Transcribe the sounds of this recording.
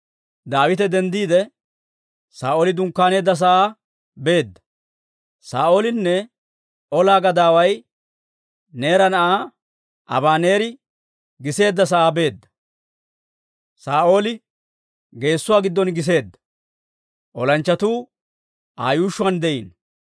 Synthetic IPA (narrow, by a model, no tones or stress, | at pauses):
d̪aːwɪt̪ɛd̪ɛnd̪iːd̪ɛ | saːʔoːlɪd̪ʊŋkːaːne̞ːd̪ːɐs̬ɐʔaː | be̞ːd̪ːɐ̥ | saːʔo̞ːlɪnːɛ | ɔlaːɡɐd̪aːwɐj | ne̞ːɾɐnɐʔaː | ʔɐ̰baːne̞ːɾɪ | ɡɪse̞ːd̪ːɐs̬ɐʔaːbe̞ːd̪ːɐ̥ | saːʔo̞ːlɪ | ɡe̞ːsːʊwaːɡɪd̪ːɔnɡɪs̬e̞ːd̪ːɐ̥ | ʔɔlɐnt͡ʃːɐt̪uː | ʔaːjuːʃːʊɐnd̪ɛʔḭːn